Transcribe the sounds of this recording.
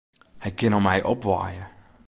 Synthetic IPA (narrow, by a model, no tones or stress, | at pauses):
hɛjkɪnɔmɛjʔɔpʋa̰ːjə